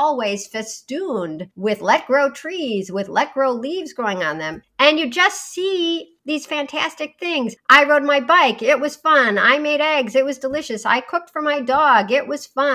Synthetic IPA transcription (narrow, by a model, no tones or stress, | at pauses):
ɔlˠwiz̥fɨstũndwɪðlɛt̚ɡ̥ɹoʊtʰɹ̥izwɪðlɛt̚ɡ̥ɹoʊlivzɡɹoʊɪ̃ŋə̃nðɨ̃mɨ̃njɨd͡ʒʌstsi | ðiz̥fæ̃ntʰæstɨk̚θɪ̃ŋzʔaɪɹoʊt̚maɪbaɪkɪt̚wʌz̥fʌ̃na̰ɪmeɪɾɛɡzɨt̚wʌzdəlɪʃɨsa̰ɪkʰʊk̚tfə˞maɪdɔɡɪʔ̚wʔʌz̥fʌ̃